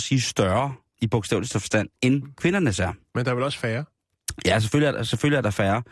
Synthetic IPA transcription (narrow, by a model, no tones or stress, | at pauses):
siːsd̥ɶɐ | ib̥ɔɡ̥sd̥ɛ̰ːʊlisd̥əfɒsd̥æn̰enkʰʋe̝nɐnəsæɐ̰mend̥aʋelɒ̽sfæːɐ | jæs̬eføljəæɐdseføl̰jəæɐd̥ɑ̈fæːɐ